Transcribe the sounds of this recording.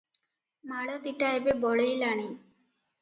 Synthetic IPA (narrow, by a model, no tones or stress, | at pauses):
maɭɐt̪iʈːaːjɐbeboɭɐjilaːɳi